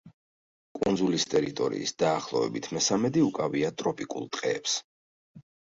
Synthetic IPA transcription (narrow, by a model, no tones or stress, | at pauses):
kʼund̪zulist̪ʼɛɾit̪ʼɔɾḭːsd̪̥aːχlˠɔvɛ̰bit̪ʰmɛsamɛd̪iukʼaviat̪ʼɾɔpʼikʼṵlˠt̪ʼqʼɛːps